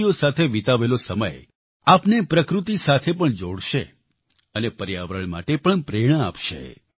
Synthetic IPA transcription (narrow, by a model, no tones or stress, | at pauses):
josat̪ʰeʋit̪aʋelosəməj | apnepɾəkɾut̪isat̪ʰepəɳd͡ʒoɽʃe | ənepəɾija̰ʋɾəɳma̰ʈepəɳpɾeɽ̃əa̰pʃḛ